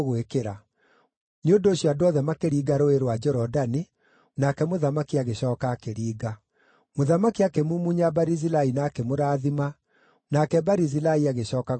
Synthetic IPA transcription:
ɣwekeɾa | neondoɕjɔadoɔðɛmakeɾiːɡaɾoeɾwad͡ʒɛɾɔdani | nakɛmoðamakiaɣeɕɔːkaːkeɾiːɡa | moðamakiakemumuɲabaɾizilainaːkemoɾaːðima | nakɛbaɾizilaiaɣeɕɔːkaɣ

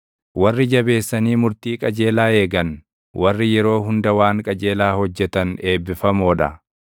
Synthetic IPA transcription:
wɐrːɪd͡ʒɐbe̞ːsːɐniːmʊɾt̪iːkʼɐd͡ʒe̞ːlaːe̞ːɡɐn | wɐrːɪjɛɾo̞ːɦʊnd̪ɐwaːŋkʼɐd͡ʒe̞ːlaːhɔd͡ʒːɛt̪ɐne̞ːbːɪfɐmoːᶑɐ

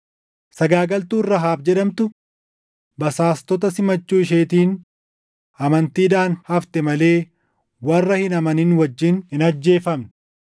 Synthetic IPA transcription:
sɐɡaːɡɐlt̪uːrːɐɦaːbd͡ʒɛᶑɐmt̪ʊ | bɐsaːst̪ɔt̪ɐsɪmɐt͡ʃːuːɪʃ̬eːt̪iːn | ɐmɐnt̪iːᶑ̪aːnhɐft̪ɛmɐle̞ː | wɐrːɐhɪnɐmɐnɪnwɐd͡ʒːɪnhɪnɐd͡ʒːe̞ːfɐmn

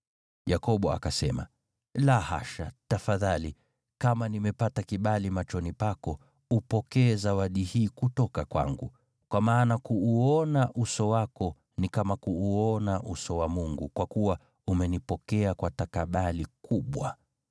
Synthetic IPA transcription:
jakɔɓɔa̰kasɛ̰ma̰ | laha̰ʃa̰tafaðali | kamanimɛpatakiɓalimat͡ʃɔnipakɔ | upɔkɛːzawaɗihiːkutɔkakwa̰ŋɡṵ | kwamaːnakuːɔnaʔusɔwakɔ | nikamakuːɔnaʔusɔwamuŋɡukwakuwa | umɛnipɔkɛakwatakaɓalikʰuɓwa̰

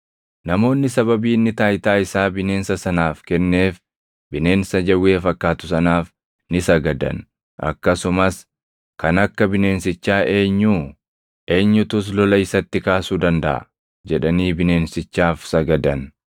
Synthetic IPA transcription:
nɐmo̞ːnːɪsɐbɐbiːnːɪt̪aːɪt̪aːjɪsaːbɪne̞ːnsɐsɐnaːfkɛnːe̞ːf | bɪne̞ːnsɐd͡ʒɐwːeːfɐkːaːt̪ʊsɐnaːf | nɪsɐɡɐd̪ɐ̰n | ʔɐ̰kːɐsʊmɐs | kɐnɐkːɐbɪne̞ːnsɪt͡ʃːaːʔe̞ːɲːuː | ʔe̞ːɲːʊt̪ʊs̬lɔlɐɪsɐt̪ːɪkaːsuːd̪ɐnd̪ɐ̰ʔɐ̰ | d͡ʒɛᶑɐniːbɪne̞ːnsɪt͡ʃːaːfsɐɡɐd̪ɐn

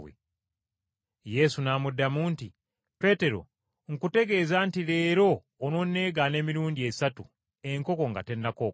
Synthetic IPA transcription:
wḛ | je̞sunaːmudːamuːnti | pe̞te̞ɾo̞̰ | ŋkute̞ɡe̞ːzantiɾe̞ːɾo̞ː | nonːe̞ːɡane̞ːmiɾuːndiesatu | e̞ŋko̞ko̞ŋɡa̰te̞nːako

